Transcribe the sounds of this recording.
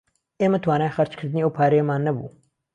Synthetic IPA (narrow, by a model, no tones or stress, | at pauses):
ʔeːmɐt̪ʰwaːnaːjxɐɾt͡ʃkʰɨɾd̪ɨniːɐwpʰaːɾɛjɐmaːnːɐbṵː